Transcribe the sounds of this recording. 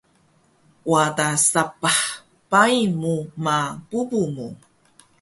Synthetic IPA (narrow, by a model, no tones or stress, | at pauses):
wadasapaħ | pajmumapubumu